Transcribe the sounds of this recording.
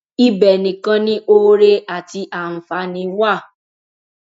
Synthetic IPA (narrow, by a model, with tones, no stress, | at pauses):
i˦bɛ˨nĩ˨kã˦nĩ˦ʔo˦ɾe˦a˨ti˧ʔa˨n̩˨fa˨˦nĩ˧wa˦˨